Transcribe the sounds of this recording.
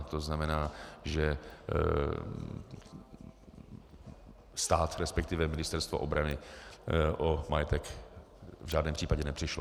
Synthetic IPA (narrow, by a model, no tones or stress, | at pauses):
t̪oznamɛnaːʒɛ | st̪aːt̪ɾɛspɛk̚t̪ɪvɛmɪnɪst̪ɛɾst̪voʔobɾanɪ | ʔomajɛt̪ɛk | vʒaːdnɛːmpr̝iːpaɟɛnɛpr̥ɪʃlo